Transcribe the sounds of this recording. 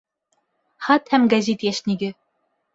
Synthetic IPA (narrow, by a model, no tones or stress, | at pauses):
χɑt̪hæmɡæzʲit̪jæʃniɡɘ